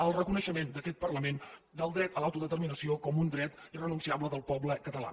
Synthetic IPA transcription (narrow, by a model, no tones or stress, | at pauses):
əlˠrəkunəʃəmend̪əkɛt̪̚pərləmen | d̪əlˠd̪ɾɛt̪əlawt̪uðət̪ərminəsiokɔmund̪ɾɛt̪irənunsiabləðəlˠpɔbləkət̪əla̰